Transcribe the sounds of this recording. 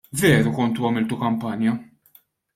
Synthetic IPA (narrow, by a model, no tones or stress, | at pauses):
vɛːɾukɔnt̪uɐmɪlt̪ukɐmpɐnjɐ